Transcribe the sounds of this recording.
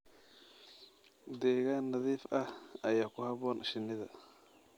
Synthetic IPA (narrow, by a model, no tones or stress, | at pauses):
deɣanaðifaajakuhabonʔʃiniða